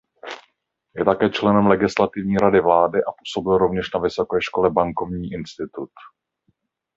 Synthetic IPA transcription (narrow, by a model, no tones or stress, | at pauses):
jɛt̪akɛːt͡ʃlɛnɛmlɛɡɪslat̪ɪvɲiːɾadɪvlaːdɪʔapuːso̞bɪlɾovɲɛʃnavɪso̞kɛːʃko̞lɛbaŋko̞vɲiːʔɪnst̪ɪt̪ut̪